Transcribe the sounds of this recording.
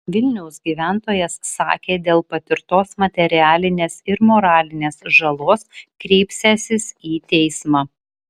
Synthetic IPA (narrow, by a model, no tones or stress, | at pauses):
ʋʲɪlʲnʲɛʊsɡʲiːʋʲæˑnt̪oːjɛsːɑ̰ːkʲeːd̪ʲeːlˠpɐt̪ʲɪɾt̪oːsmɐt̪ʲɛɾʲɪæːlʲɪnʲeːsɪɾmoːɾɑːlʲɪnʲeːsʒɐlˠoːskɾʲɛɪpʲsʲɛsʲɪsiːt̪ʲɛɪsmɑː